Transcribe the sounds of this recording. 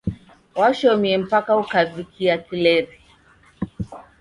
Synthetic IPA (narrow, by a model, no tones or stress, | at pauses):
waʃɔmiɛm̩pakaukavikʰiakilɛɾi